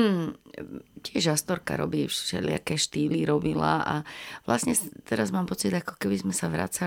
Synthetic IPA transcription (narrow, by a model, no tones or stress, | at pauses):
cɪɛʒast̪ɔɾka̰ɾɔ̰biːfʃɛ̰ʎɪa̰kɛːʃt̪iːliɾɔbila̰ʔaʋla̰sɲɛt̪ɛɾazmaːmpɔt͡sid̪akɔ̥kɛbizmɛsaʋɾa̰t͡sa